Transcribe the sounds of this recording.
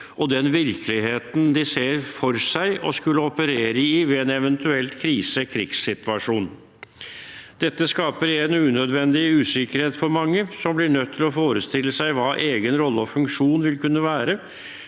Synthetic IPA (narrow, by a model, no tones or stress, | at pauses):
ʔɔd̪ɛnʋɪɾkʰəlɪɦeːt̪n̩d̪ɪseːɾfɔɾsæɪʔɔskʉlːəɔpəɾeːɾəɪʋɛɛːnɛʋənt̪ʰʉɛlt̪kʰɾiːsəkʰɾɪksːɪt̪ʋɑʂuːn | d̪̥ɛt̪ːəskɑːpəɾenʉːnœd̪ʋɛnd̪ɪʉːsɪkəɾheːt̪fɔɾmɑŋːəsɔmblɪɳœt̪ʰːɪlɔfoːɾəst̪ɪlːəsæɪʋɑːʔeːɡənɾɔlːəɔfʉŋkʂuːnʋɪlkʰʉnːəʋæːɾə